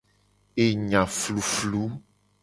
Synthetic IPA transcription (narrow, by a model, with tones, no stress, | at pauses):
e˨ɲã˨flu˨flu˦